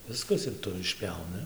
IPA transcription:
ˈʋʲɪskɐs ɪr ˈtʊ ɪʃʲˈpʲjɛʊnʲɪ

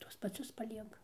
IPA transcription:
ˈtuɔs pɐˈt͡sʲʊs pɐˈlʲiɛkɐ

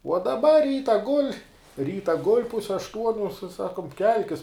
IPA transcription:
uɔ dɐˈbɐ ˈrʲiːtɐ ɡʊlʲ ˈrʲiːtɐ ɡʊlʲ ˈpʊsʲɛ ɐʃˈtuɔnʲʊ sɐ ˈsɑːkʊm ˈkʲɛlʲkʲɪs

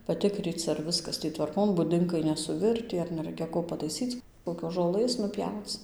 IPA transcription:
pɐˈtʲɪkrʲiːt͡s ɐr ˈʋʲɪskɐs ˈtʲiː tʋɐrˈkoːn bʊˈdʲɪŋkɐɪ ˌnʲæːsʊˈʋʲɪrʲtʲiː ɐr nʲɛˈrɐɪkʲɛ ˈkoː pɐtɐɪˈsʲiːt͡s koːkʲoːs ʒoːˈlˠɘs nʊˈpʲjɛʊt͡s

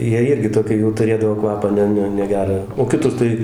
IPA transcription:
ˈjiɛ ˈɪrʲɡʲɪ ˈtoːkʲiː jɛʊ tʊˈrʲeːdɐʋoː ˈkʋɑːpɑː ˈnʲɛ ˈnʲɛ nʲɛˈɡʲæːrɑː oː kʲɪˈtʊr tɐɪ

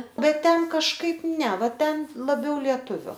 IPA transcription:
ˈbʲɛt ˈtʲɛn kɐʃˈkɐɪp ˈnʲɛ ˈʋɐ ˈtʲɛn lˠɐˈbʲɛʊ lʲiɛˈtʊʋʲʊ

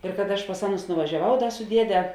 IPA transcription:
ɪr kɐt ˈɐʃ pɐs ˈɑːˌnʊs nʊʋɐʒʲɛˈʋɐʊ ˈdɐ sʊ ˈdʲiɛdʲɛ

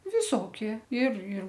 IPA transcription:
ʋʲɪˈsoːkʲiɛ ɪr ɪr

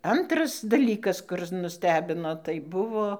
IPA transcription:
ˈɐntrɐs dɐˈlʲiːkɐs ˈkʊrɨs nʊˈsʲtʲæːbʲɪnoː tɐɪ ˈbʊʋoː

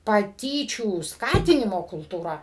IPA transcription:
pɐˈtʲiːt͡ʃʲuː ˈskɑːtʲɪnʲɪmoː kʊlˠtuːˈrɐ

